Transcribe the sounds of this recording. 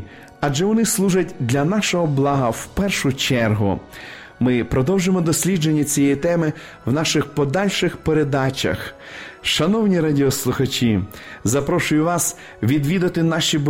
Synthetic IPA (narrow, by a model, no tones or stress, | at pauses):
ɐd͡ʒɛʋɔnɪslˠuʒɐtʲd̪lʲɐnɑʃɔɦɔblˠɑɦɐwpɛrʃʊt͡ʃɛrɦʊ̰ | mɪpɾɔd̪ɔwʒemɔd̪ɔsʲlʲid͡ʒenʲːɐt͡sʲijɛjit̪ɛmɪ | wnɑʃɪxpɔd̪ɑlʲʃɪxpeɾed̪ɑt͡ʃɐ̰x | ʃɐnɔwnʲiɾɑdʲiɔslˠʊxɐt͡ʃʲizɐpɾɔʃʊjʊʋɑs | ʋʲid̪ʋʲid̪ɐt̪ɪnɑʃʲib